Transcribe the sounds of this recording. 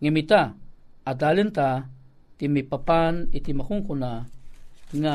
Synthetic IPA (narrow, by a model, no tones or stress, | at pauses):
ŋimit̪aad̪alənt̪a | t̪imipapanit̪imakʊŋkuna | ŋa